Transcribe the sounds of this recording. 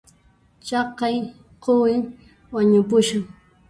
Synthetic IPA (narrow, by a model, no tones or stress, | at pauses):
t͡ʃɑqɑj | qowɪŋ | waɲʊpʊʃaŋ